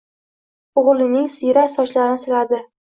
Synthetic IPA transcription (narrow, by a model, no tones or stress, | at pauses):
ʊʁlˠɪnɪŋsɪjɾasɒt͡ʃlaɾɪnɪsɪɾad̪ɪ